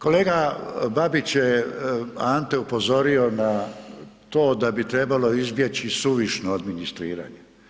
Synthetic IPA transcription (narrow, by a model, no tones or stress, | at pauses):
ko̞le̞ːɡababit͡ɕje | ant̪e̞upo̞zo̞ɾio̞na | t̪o̞ːd̪abit̪ɾe̞balo̞izbje̞t͡ɕisuʋiʃnoad̪minist̪ɾḭːɾa̰ːɲe